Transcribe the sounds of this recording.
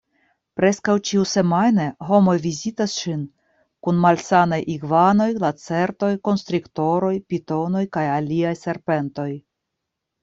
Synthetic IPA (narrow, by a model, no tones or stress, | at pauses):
pɾe̞skawt͡ʃiuse̞majne̞ɦo̞mo̞jvizitasʃin | kunmalsanajʔiɡvano̞jlat͡se̞ɾto̞jko̞nst̪ɾikto̞ɾo̞jpito̞no̞jkajaliajse̞ɾpe̞nto̞j